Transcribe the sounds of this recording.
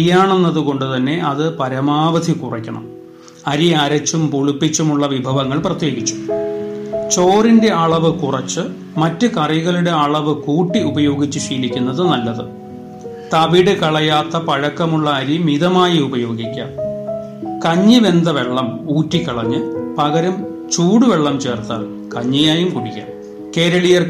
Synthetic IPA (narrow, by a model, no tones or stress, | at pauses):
jːaːɳenːɐðuko̞ɳɖɨt̪ɐnːe̞ʔɐðɨpɐɾɐmaːʋɐd̪ʱikurikʲːɐɳɐ̰m | ɐɾiɐɾɐt͡ɕːumpuɭupːit͡ɕːumuɭːɐʋibʱɐʋɐŋːɐɭprɐt̪je̞ːɡit͡ɕːu̥ | t͡ɕo̞ːrinde̞ɐɭɐʋɨkurɐt͡ɕːɨ | mɐtːɨkɐrijɣɐɭuɽe̞ɐɭɐʋɨkuːʈːiubɐjo̞ːɡit͡ɕːɨɕiːlikʲːunːɐðɨnɐlːɐðɨ̰ | t̪ɐʋiɽɨkɐɭɐjaːt̪ːɐpɐɻɐkːɐmuɭːɐɐːɾimiðɐmaːjiubɐjo̞ːɡikʲːa̰ːm | kɐɲːɨʋe̞nd̪ɐʋe̞ɭːɐmuːtːikʲːɐɭɐɲːɨpɐɣɐɾɐm | t͡ɕuːɽuʋe̞ɭːɐmt͡ɕe̞ːrt̪a̰ːl | kɐɲːɐjaːjumkuɽikʲːa̰ːm | ke̞ːɾɐɭijɐr